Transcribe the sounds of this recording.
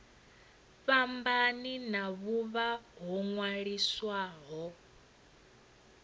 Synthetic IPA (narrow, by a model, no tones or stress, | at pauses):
ɸambaninaβuβaɦɔŋwaɺiswaɦɔ